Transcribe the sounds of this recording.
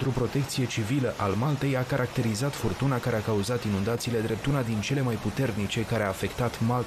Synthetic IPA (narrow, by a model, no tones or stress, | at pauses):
t̪ɾupɾo̞t̪e̞k̚t̪sije̞t͡ʃiviləʔalmalt̪e̞jakaɾʔak̚t̪e̞ɾizat̪furt̪unakaɾe̞akauzat̪inund̪at̪siːle̞d̪ɾe̞p̚t̪unad̪int͡ʃe̞le̞majput̪e̞rnit͡ʃe̞kaɾeaːfe̞kt̪at̪mal